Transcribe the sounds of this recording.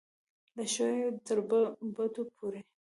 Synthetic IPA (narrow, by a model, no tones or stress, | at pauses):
ləʃojot̪əɾbəbət̪opʰoɾe